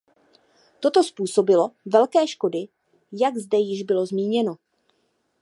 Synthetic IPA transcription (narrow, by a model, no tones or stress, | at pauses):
t̪o̞t̪o̞spuːso̞bɪlo̞vɛlkɛːʃko̞dɪ | jaɡzdɛjɪʒbɪlo̞zmiːɲɛno̞